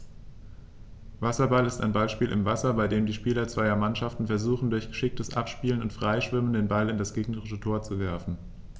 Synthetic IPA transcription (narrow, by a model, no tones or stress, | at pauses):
vasɐbalɪsta̰ɪnbalʃpiːlʔɪ̰mvasɐbaɪdeːmdiːʃpiːlɐt͡sv̥aɪɐmanʃaftn̩fɛɐzuːχn̩dʊɐçɡ̥əʃɪk̚təsʔa̰pʃpiːlənʊntfʁ̥aɪʃv̥ɪməndeːnbalɪndasɡ̥eːɡnəʁɪʃətʰoːɐt͡suvɛɐfn̩